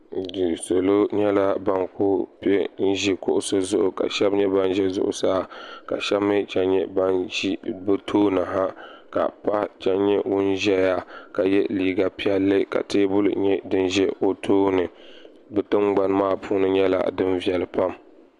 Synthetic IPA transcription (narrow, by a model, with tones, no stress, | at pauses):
dɨ˨so˨lo˦ɲɛ˦la˦ba˦ŋko˦pɛ˦n̩˦ʒi˨kʊ˦ʔʊ˦so˦zʊ˦ʔʊ˨ka̰˨ʃɛ˦bɲɛ˦ba˦nʒɛ˦zʊ̰˦˨ʔʊ̰˨saː˦ka̰˨ʃɛ˦bmːɨ˦t͡ʃa˦nɲɛ˦ba˦n˦bɨ˦tʰoː˦na˨ɦa˦ka̰˨pa˦t͡ʃa˦ɲɛ˦wʊ˦nʒɛ˦ja˦ka˨jɛ˦liː˨ɡa˨pi˦ɛ˦lːɨ˦ka̰˨te˦bʊ˦l̰ɲɛ˦dɨ˦nʒɛ˦o˨tʰoː˦nɨ˨ | bɨ˨tɨ˦mɡ͡ba˨n˦maː˦pʰuː˦nɨ˦ɲɛ˦la̰˨dɨ˦nvi˨ɛ˨lɨ˨pa˦m